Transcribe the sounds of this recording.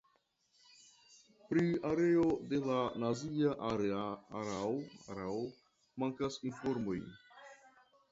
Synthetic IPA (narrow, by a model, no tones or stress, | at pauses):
pɾiaɾe̞o̞de̞lanaziaʔaɾeaaɾaoa̰ɾao | maŋkasinfo̞ɾmo̞j